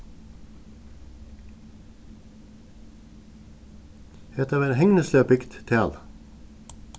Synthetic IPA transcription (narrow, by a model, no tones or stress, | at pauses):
ɛt̪əʋeːɾhɛŋnəsløːpɪkt̪t̪ʰæːl